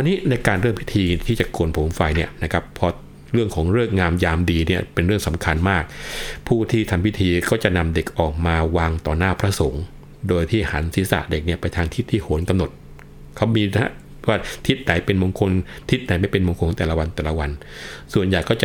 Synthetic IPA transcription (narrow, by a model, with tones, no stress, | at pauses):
a˧nːiː˦˥na˧jkaː˧nɾɯː˥˩mpʰi˦˥t̪ʰiː˧t̪ʰiː˥˩t͡ɕa˨˩koː˧ənpʰo˩˦mfa˧jni˥˩ɐna˦˥kʰa˦˥pʰːɔ˧ | ɾɯ˥˩ŋkʰɔː˩˦ŋɾɯ˥˩ək̚ŋaː˧mjaː˧mdiː˧ni˥˩pe˧nɾɯ˥˩əŋsa˩˦mkʰa˧nmaː˥˩k̚pʰuː˥˩t̪ʰiː˥˩t̪ʰa˧mpʰi˦˥t̪ʰiː˧kɔː˥˩t͡ɕa˨˩na˧mde˨˩k̚ʔɔː˨˩k̚maː˧waː˧ŋt̪ɔː˨˩naː˥˩pʰɾa˦˥so˩˦ŋ | doː˧jt̪ʰiː˥˩haː˩˦nsiː˨˩˦sa̰˨˩de˨˩k̚ni˥˩ɐpa˧jt̪ʰaː˧ŋt̪ʰi˦˥˩t̪ʰːiː˥˩ho˩˦nka˧mno˨˩t̪̚ | kʰa˦˥wmiː˧na˦˥ | waː˥˩t̪ʰi˦˥t̪̚na˨˩˦jpe˧nmo˧ŋkʰo˧nt̪ʰi˦˥t̪̚na˨˦jma˧jpe˧nmo˧ŋkʰo˧˨˦t̪ɛː˨˩la˦wa˧nt̪ɛː˨˩la˦wa˧nsu˨˩ənjaː˨˩kːɔ˥˩t͡ɕa˩